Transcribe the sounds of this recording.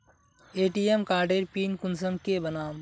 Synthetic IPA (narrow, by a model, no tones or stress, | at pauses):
eːʈiːemkaːɾɖeːɾpiːnkʊns̬əmkebɐnaːm